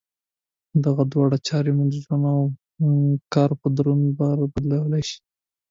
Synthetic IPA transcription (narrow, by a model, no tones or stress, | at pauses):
d̪aɣad̪wɑɽat͡ʃɑɾemud̪əʒanaw | kɑɾpəd̪aɾunbaɾabad̪lawəlajʃi̥